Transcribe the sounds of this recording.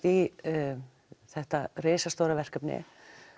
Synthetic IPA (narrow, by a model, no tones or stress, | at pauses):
i | θɛht̪areːsast̪owɾavɛr̥kœpnɪ̰